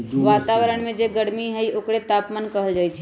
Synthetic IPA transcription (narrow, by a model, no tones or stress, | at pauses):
ʋaːt̪aʋəɾəɽ̃mẽd͡ʒeɡəɽmiɦɛjokɽet̪aːpmankəɦəld͡ʒaːjt͡ʃʰɛ